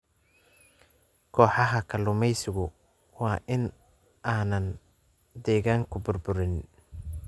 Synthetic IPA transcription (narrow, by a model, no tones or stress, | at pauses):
kʰɔːħɑɦɐkʰɐlʊmɛjsɪɣʊ | wɑːʔɪn | ʔaːnɐn | d̪ɛːɣaːŋkʰʊbʊrbʊɾɪn